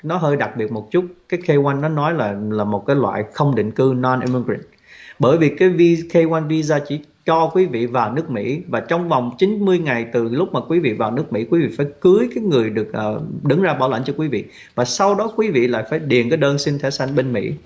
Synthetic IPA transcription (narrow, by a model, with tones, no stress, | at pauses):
nɔ˨˦ɦəː˧jɗa˨˩k̚ɓi˨˩ət̚mo˨˩t̚t͡ɕu˦˥t̚kaː˨˦jxe˧kwa˧jŋnɔ˨˦nɔ˨˦jlaː˨˩laː˨˩mo˨˩t̚kaː˨˦jlwa̰ː˧˨jxə˧wŋ͡mɗḭ˧˨ŋ̟kɨ˧nɔ˧nʔi˧mi˧ɡɹɛ̰˧˨˩n̚ | ɓəː˧˩jvi˨˩kaː˨˦jvi˧xe˧kwa˧nvi˧zaː˧t͡ɕi˧˩ | t͡ɕɔ˧kwi˨˦vḭ˧˨vaː˨˩wnɨ˦˥ək̚mḭ˧˥vaː˨˩t͡ɕɔ˧wŋ͡mva˨˩wŋ͡mt͡ɕi˨˦nmɨ˧əjŋa˨˩jt̪ɨ˨˩lʊ˦˥k͡p̚maː˨˩kwi˨˦vḭ˧˨vaː˨˩wnɨ˦˥ək̚mḭ˧˥kwi˨˦vḭ˧˨faː˧˩jkɨ˨˦əjkaː˨˦jŋɨ˨˩əjɗɨ˨˩ək̚ʔəː˨˩ɗɨ˨˦ŋzaː˧ɓaː˧˩wla̰˧˩n̟t͡ɕɔ˧kwi˨˦vḭ˧˨ | vaː˨˩sa˧wɗɔ˨˦kwi˨˦vḭ˧˨la̰ː˧˨jfaː˧˩jɗi˨˩ənkaː˨˦jɗəː˧nsi˧nt̪ʰɛ˧˩˦sa˧jŋɓe˧nmḭ˧˥